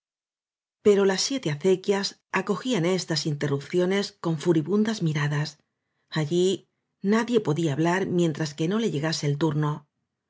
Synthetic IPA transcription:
pe̞ɾo̞lasːje̞t̪e̞aθe̞kjas | ako̞xiane̞st̪asint̪e̞rup̚θjo̞ne̞sko̞ɱfuɾiβund̪azmiɾaðas | aʝi | naðje̞po̞ðiaːβlaɾmjẽ̞nt̪ɾaske̞no̞le̞ʝe̞ɣase̞ːlt̪uɾno̞

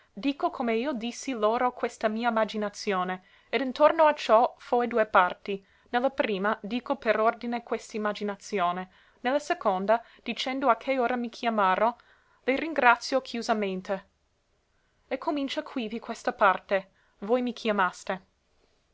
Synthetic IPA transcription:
d̪iːkokʰomeiːod̪isːiloːɾokwest̪amiːamad͡ʒinat̪sjoːne | ed̪int̪ornoat͡ʃɔfojd̪uepart̪i | nelːapɾiːmad̪iːkopeɾord̪inekwest̪aimːad͡ʒinat̪sjoːne | nelːasekond̪a | d̪̥it͡ʃɛnd̪oakʰːeoːɾamikʰjamaːɾo | leriŋɡɾat̪sjokʰjuzament̪e | ekʰːomint͡ʃakʰwivikwest̪apart̪e | vojmikʰjamast̪e

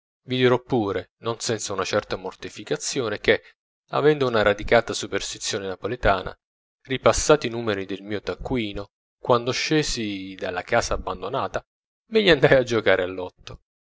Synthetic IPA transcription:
vid̪iɾɔpːuːɾenonsɛnt̪saunat͡ʃɛrt̪amort̪ifikat̪sːjoːnek̟e | a̰vɛnd̪ounaɾad̪ikaːt̪asuperst̪it̪sːjoːnenapolet̪aːna̰ | ripasːaːt̪inuːmeɾid̪elmiːot̪akːwiːno | kwand̪oʃːeːzid̪alːakaːzaːbːand̪onaːt̪a | meʎːiand̪ajad͡ʒokaːɾʔealːɔt̪ːo

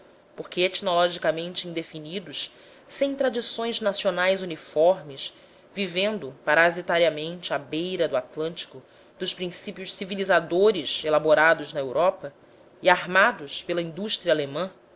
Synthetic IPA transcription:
poχkeet͡ʃnolɔʒikamẽnt͡ʃɪĩd̪efinid̪ʊʃ | sẽj̃t̪ɾad͡ʒisõj̃znasionajzunifɔɾmɪs | vivẽnd̪ʊpaɾazit̪aɾiɐmẽnt͡ʃɪabejɾɐd̪ʊat̪lɐ̃nt͡ʃi̥kʊ | d̪̥ʊʃpɾĩsipiʊʃsivilizad̪oɾɪʃelaboɾad̪ʊznɐewɾʔɔpɐ | iaɦmad̪ʊʃpelɐĩnd̪uʃt̪ɾiɐalemɐ̃

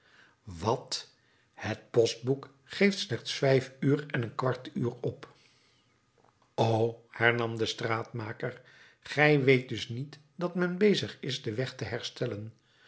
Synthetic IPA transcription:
ʋɑt | hət̚pɔst̚buk | χejftslɛχtsfɛjfyːrɛnənkʋɑɹtyːrɔp | owhɛɹnɑmdəstraːtmaːkər | χɛjʋejt̚dɵsnit | d̥ɑtmɛnbejzəχɪzdəʋɛχtəɦɛɹstɛlən

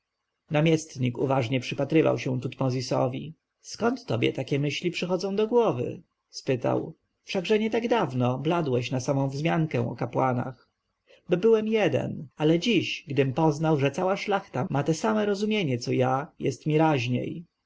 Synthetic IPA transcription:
namʲjɛst̪ɲikṵvaʐɲɛpʂɘpat̪ɾɘva̰wɕɛ̃t̪ut̪mɔzʲisɔ̰vʲḭ | skɔnt̪ːɔbʲjɛ̰t̪akʲɛmɘɕlʲipʂɘxɔd̪zɔ̃w̃d̪ɔɡwɔvɘ̰ | spɘt̪a̰w | fʂaɡʐɛɲɛt̪aɡd̪avnɔblad̪wɛɕnasamɔ̃w̃vzmʲjaŋkɛw̃ɔ̰kapwana̰x | bɔbɘwɛmjɛd̪ɛ̰nalɛd͡ʑiɕɡd̪ɘmpɔznawʐɛt̪sawaʂlaxt̪amat̪ɛsamɛɾɔzumʲjeɲɛt̪sɔjajɛ̰st̪mʲiɾaʑɲḛj

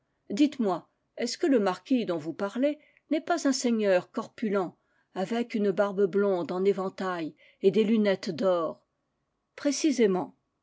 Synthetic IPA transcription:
d̪it̪mwa | ɛskələmaʁkʲid̪ɔ̃vupaʁle | nɛpazɛ̃seɲœʁkɔʁpylɑ̃ | avɛkynəbaʁbəblɔ̃d̪ɑ̃nevɑ̃t̪aj | ed̪elynɛt̪d̪ɔːʁ | pχesizemɑ̃

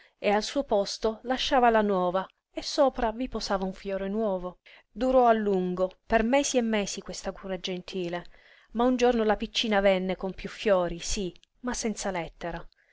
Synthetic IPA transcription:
ealsuːopɔst̪olaʃːaːvalanwɔːva | esːoːpɾaviposaːvauɱfjɔːɾenwɔːvo | d̪uɾɔalːuŋɡopermɛːsiemːɛːsikwest̪aɡuːɾad͡ʒent̪ʰiːle | maund͡ʒornolapit͡ʃːiːnavɛnːekompjufːjɔːɾisi | masːɛnt̪salɛt̪ːeɾa

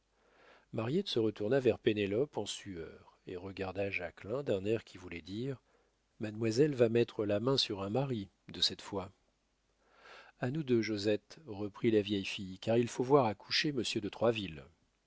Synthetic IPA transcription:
maʁjɛt̪səʁət̪uʁnavɛʁpenelɔpɑ̃syœːʁeʁəɡaʁd̪aʒaklɛ̃d̪ɛ̃nɛʁkʲʰivulɛd̪iʁ | mad̪mwazɛlvamɛt̪χəlamɛ̃syʁɛ̃maʁi | d̪əsɛt̪fwa | anud̪øʒozɛt̪ʁəpχilavjɛjfijkaʁilfovwaʁakʰu̥ʃeməsjød̪ət̪χwavil

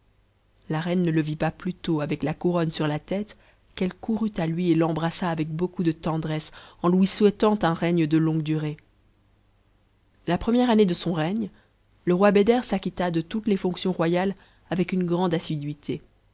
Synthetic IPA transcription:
laʁɛnːələvipaplyt̪oavɛklakuʁɔnsyʁlat̪ɛt̪ | kɛlkʰuʁyt̪alɥielɑ̃bʁasaːvɛk̚bokud̪ət̪ɑ̃d̪ʁɛsɑ̃lwiswɛt̪ɑ̃t̪ɛ̃ʁɛɲd̪əlɔ̃ɡd̪yʁe | lapχəmjɛʁaned̪əsɔ̃ʁɛɲ | ləʁwabed̪ɛʁsakʲit̪ad̪ət̪ut̪lefɔ̃ksjɔ̃ʁwajal | avɛkynɡʁɑ̃d̪asid̪ɥit̪ʰe

